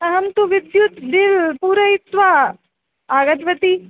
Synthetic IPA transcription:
ɐɦɐmt̪uʋɪd̪jut̪d̪ɪlpuːɾɐɪt̪ʋa | aːɡɐt̪ʋɐt̪i

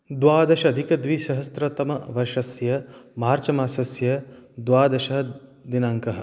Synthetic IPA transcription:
d̪ʋaːd̪ɐʃɐɐd̪ʱikɐd̪ʋiʃɐɦɐst̪ɾɐt̪ɐmɐʋɐʃɐsjɐmaːɾt͡ʃɐmaːsɐsjɐd̪ʋaːd̪ɐʃɐɦɐd̪inaŋkɐɦɐ̆

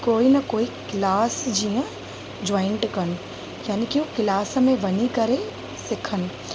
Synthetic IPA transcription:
koːinɐkoːikɪlaːsd͡ʒijə̃ | d͡ʒɔːɪɳʈkɐn̆ | jaːnikiukɪlaːsmẽʋɐnikɐɾe | sɪkʰənɪ̆

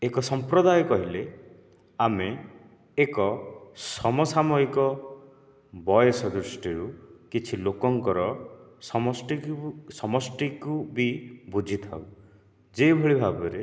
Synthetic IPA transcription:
ekɔsɔmpɾɔd̪ajɔkɔɦile | ameː | kɔsɔmɔsamɔikɔ | bɔjɔsɔd̪ɾusʈiɾukit͡ʃʰilokɔŋkɔɾɔsɔmɔsʈisɔmɔsʈikubibud͡ʒʱit̪ʰa̰w | d͡ʒebʱɔɭibʱabɔɾe

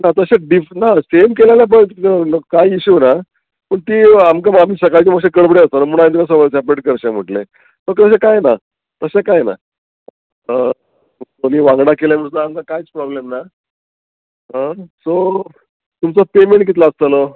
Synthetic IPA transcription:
nat̪əɕeɖifnasemkelaljap̬əɳəkajiɕuna | pəɳt̪iːamkamam̤iːsəkaɾt͡ɕeməkɕekəɭbɽeəst̪anamuɳ̃ajĩnt̪ikas̬əməsapeʈkəɾɕam̤əʈle | səkt̪əɕ̬ekajna | t̪əɕekajena̰ | ə | oniːʋãŋɡɽakeljam̤iɾt̪aamkakajt͡spɾɔblemna | əso | t̪umt͡sɔpemeɳʈ̚kit̪laəst̪əlo

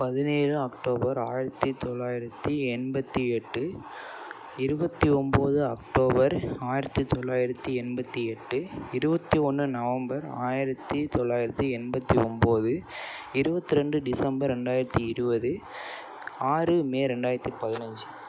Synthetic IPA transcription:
pɐðɪneːɾɯɐkʈoːbɐɾaːjɪɾɐt̪ːit̪ɔɭːaːjɪɾɐt̪ːiɛnbɐt̪ːiɛʈːɯ | ɪɾɯbɐt̪ːiɔmboːðɯɐk̚ʈoːbɐɾaːjɪɾɐt̪ːit̪ːɔɭːaːjɪɾɐt̪ːiɛnbɐt̪ːiɛʈːɯɪɾɯbɐt̪ːiɔnːɯnɐʋɐmbɐɾa̰ːjɪɾɐt̪ːit̪ɔɭːaːjɪɾɐt̪ːiɛnbɐt̪ːiɔmboːðɯɪɾɯbɐt̪ːiɾɛɳɖɯɖɪsɐmbɐɾɛɳɖaːjɪɾɐt̪ːiɪɾɯbɐðɯ | aːɾɯmeːɾɛɳɖaːjɪɾɐt̪ːipɐðɪnɐɲd͡ʒɯ

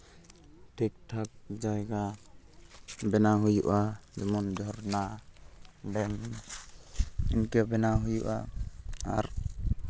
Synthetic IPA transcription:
ʈʰik̚ʈʰak̚d͡ʒajɡa | bɛnaɦujuʔad͡ʒɛmɔnd͡ʒɔɾna | ɖɛm | inkɛbɛnaɦujuʔa | a̰ɾ

